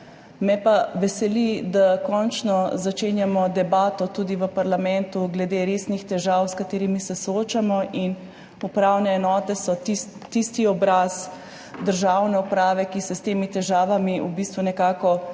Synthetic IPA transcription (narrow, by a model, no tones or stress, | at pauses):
mɛpaʋɛsɛlid̪akɔnt͡ʃnɔzat͡ʃeːnjamɔd̪ɛbaːt̪ɔt̪uːd̪iʋəpaɾlamɛnt̪uɡlɛd̪eɾesnixt̪ɛʒawskat̪eːɾimisɛsɔoːt͡ʃamɔʔin | upɾawnɛːnɔːt̪ɛsɔt̪iːist̪iɔbɾaz | d̪əɾʒawnɛupɾaːʋɛkisɛst̪eːmit̪ɛʒaːʋamiubist̪ʋunɛkaːkɔ